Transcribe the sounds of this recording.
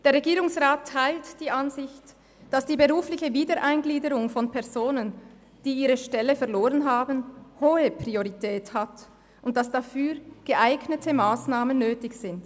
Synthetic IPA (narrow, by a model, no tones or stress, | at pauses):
d̥eːɐʁeɡiːʁʊŋsʁaːtʰːaɪltd̥iːʔanzɪçt | d̥asd̥iːbəʁuːflɪçəviːdəʔaɪnɡliːdəʁʊŋfɔnpʰɛɐzoːnən | d̥iːiːʁəʃtɛləfɛɐloːʁənɦaːbənhoːəpʁ̥ioʁitʰɛːthat | ʊnt̚d̥asd̥afyːʁɡ̥əʔaɪɡnətʰəmaːsnaːmənːøːtɪçz̥ɪnt